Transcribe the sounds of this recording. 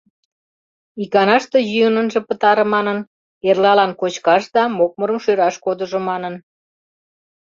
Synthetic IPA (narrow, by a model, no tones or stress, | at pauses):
ikɑnɑʃt̪ĕjyənənʒĕpət̪ɑɾə̆mɑnən | erlɑlɑnkot͡ɕkɑʃd̪ɑmok̚məɾəmʃøɾɑʃkod̪ə̆ʒomɑnən